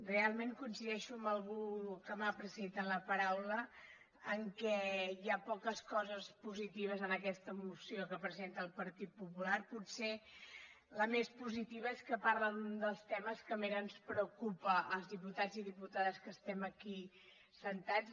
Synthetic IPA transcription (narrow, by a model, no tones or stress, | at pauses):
rrealˠmeŋkunsiðɛʃuəməlˠɣukəmapɾəzent̪ələpəɾawlə | əŋkɛjapɔkəskɔzəspuzit̪iβ̞əzənəkɛst̪əmusiokəpɾəzent̪əːlˠpəɾt̪it̪̚pupularpuse | ləmespuzit̪iβ̞əeskəpaɾlənund̪əlˠst̪ɛməskəmeɾənspɾəukupəʔəlˠzðiput̪ad͡ziðiput̪aðəskəst̪ɛməki | sənt̪ad͡z